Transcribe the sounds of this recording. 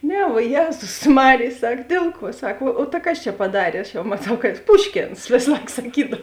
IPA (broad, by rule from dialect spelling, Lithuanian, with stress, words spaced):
ˈnʲɛ ʋuɔ ˈjeːzʊs ˈmɑːrʲeːj ˈsɐk ˈdʲeːlˠ ˌkuɔ ˈsɐk oː oː tɐ ˈkɐs t͡ʃʲɛ pɐˈdɑːrʲeː ɐʃ jɛʊ mɐˈtɐʊ kɐ ˈpʊʃʲkʲeːns ˈʋʲeːs ˈlˠɐɪk sɐˈkʲiːdɐw